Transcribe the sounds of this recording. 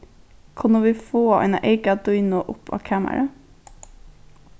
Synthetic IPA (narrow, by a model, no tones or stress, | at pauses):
kʰɑnəʋiːfoːɑ̰ɪnɑ̰ʔeɪkɑd̪ʉʏnoːʔʊpʰɑ̰ːkʰæːmə̰ɾə